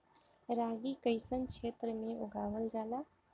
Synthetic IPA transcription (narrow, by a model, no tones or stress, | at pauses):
ɾaːɡikəɪsənt͡ʃʰet̪ɾəmeʔuɡaːʋəld͡ʒaːla